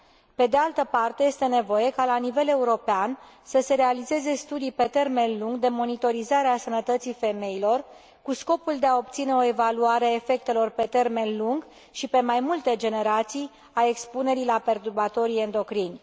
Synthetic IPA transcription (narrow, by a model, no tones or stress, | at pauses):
pe̞d̪e̞alt̪əpart̪eje̞st̪e̞ne̞vo̞je̞kalanive̞le̞uɾo̞pean | səse̞ɾe̞alize̞ze̞st̪ud̪ijpe̞t̪e̞rme̞nluŋɡd̪e̞mo̞nit̪o̞ɾizaɾeasənət̪ət̪sife̞me̞ilo̞r | kusko̞puld̪e̞ao̞p̚t̪sine̞oe̞valuaɾeae̞fe̞k̚t̪e̞lo̞rpe̞t̪e̞rme̞nluŋɡ | ʃipe̞majmult̪e̞d͡ʒe̞ne̞ɾat̪sij | ae̞kspune̞ɾilape̞rt̪urbat̪o̞ɾijend̪o̞kɾinʲ